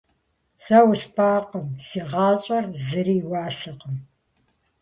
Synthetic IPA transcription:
sɐwspʰaːqəmsiːʁɑːt͡ʃʼɐrzɨriːwɑːsɐqəm

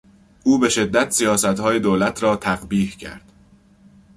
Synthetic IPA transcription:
ʔuːbe̞ʃe̞d̪ːæt̪sijɒːsæt̪hɒːje̞d̪oːlæt̪ʰɾɒːt̪ʰæɣbiːhcʰæ̰ɾd̪̥

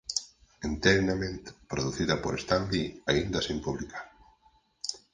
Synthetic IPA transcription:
ent̪ɛɾnamẽnt̪pɾoðuθiðɐpoɾest̪ambiaind̪ɐsimpuβlikʰaɾ

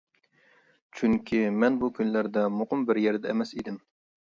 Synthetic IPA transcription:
t͡ʃʰyŋkʲʰimɛnbukʲʰynlæɾd̪ɛmoqʊmbɪɾjɛɾd̪ɛːmɛsid̪ɪm

